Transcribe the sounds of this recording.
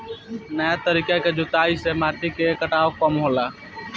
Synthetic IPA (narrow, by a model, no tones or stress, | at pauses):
nəjat̪əɾikaked͡ʒʊt̪aisemaʈikekəʈaokəmɦola